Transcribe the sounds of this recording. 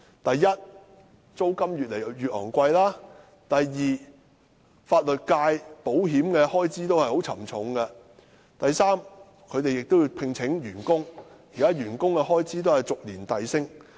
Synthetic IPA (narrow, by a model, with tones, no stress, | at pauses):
t̪ɐ˨jːɐ˥t̚ | t͡so˥wkɐ˥mjyː˨t̚le˨˩jɥyː˨t̚hɔ̰ː˨˩ŋkʷɐ˧jlaː˥ | t̪ɐ˨jːiː˨ | faː˧t̚lɵ˨t̚kaː˧jpo˨˥wɦiː˨˥mkɛː˧hɔː˥jt͡siː˥t̪o˥whɐ˨jho˨˥wt͡sʰɐ˨˩mt͡sʰʊ˨˥ŋkɛ˧ | t̪ɐ˨jsaː˥m | kʰɵ˨˧ɥt̪e˨jɪ˨k̚t̪o˥wjiː˧pʰɪ˧ŋt͡sʰɪ˨˥ŋjyː˨˩nkʊ˥ŋjiː˨kaː˦˥ɥyː˨˩nkʊ˥ŋkɛ˧ɦɔː˥jt͡siː˥t̪̬o˥whɐ˨jt͡sʊ˨k̚liː˨˩nt̪ɐ˨jsɪ˥ŋ